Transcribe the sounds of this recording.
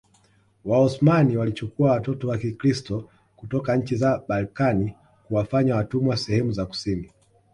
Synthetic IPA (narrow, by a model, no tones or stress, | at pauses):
waɔsmaniwalit͡ʃukuawatɔtɔwakikɾistɔ | kutɔkaɲ̩t͡ʃizaɓalkani | kuwafaɲawatumwasɛhɛmuzaku̥sini